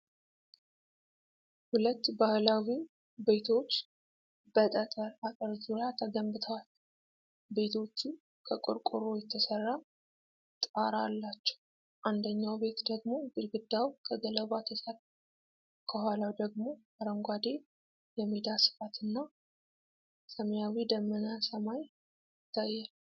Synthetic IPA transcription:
hulət̪ːbahlawi | be̞t̪ʰo̞t͡ʃː | b̥ət̪ʼət̪ʼəɾakʼəɾzuɾjat̪ʰəɡəmbɨt̪ʰəwal | be̞t̪ʰo̞t͡ʃːu | kʰəkʼo̰ɾkʼoɾojɛt̪ʰːəsərːa | t̪ʼaɾalːat͡ʃːɛ̥w | ʔand̪əɲːawbe̞t̪d̪əɡmo̞ɡɨlɡɨd̪ːawkʰəɡələβat̪ʰəsər | kʰəhʷalawd̪əɡmo̞ | aɾəŋɡʷad̪e̞ | jɛmid̪asɨ̥fat̪ʰɨnːa | səmjawid̪əmːənasəmaj | jɪt̪ʰːajːal

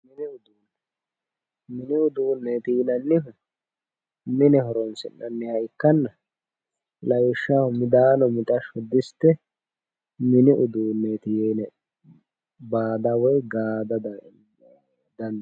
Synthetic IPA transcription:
mɪnɪʊd̪uːn | mɪnɪʊd̪uːnːeːt̪iːnɐnːɪʊ | mɪnɛɦɔɾɔnsɪ̰nːɐnːɪhɐɪkːɐnːɐ | lɐjɪʃːahʊmɪd̪aːnɔmɪt̪ʼɐʃɔd̪ɪst̪ːɛ | mɪnɪʔʊd̪uːnːet̪ɪjɛnɛ | baːd̪ɐwɔjɡaːd̪ɐd̪ | d̪ɐnd̪

